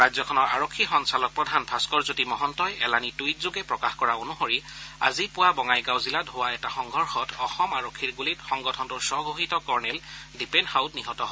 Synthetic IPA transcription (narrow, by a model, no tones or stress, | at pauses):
ɹazɔkʰɔnɔɹa̰ɹokʰːixɔnsalɔk̚pɹɔdʱanbʱaskɔɹzutimɔɦɔntɔjɛlanitujt̚zoɡɛpɹɔkaxkɔɹaonuxoɹia̰zipʊwabɔŋajɡawziladɦowaɛtaxɔŋɡʱɔɹxɔtɔxɔmaɹokʰːiɹɡulitxɔŋɡɔtʰɔntʊɹsɔɡʱoɦitɔkɔɹnɛldipɛndhawdniɦɔtɔɦɔ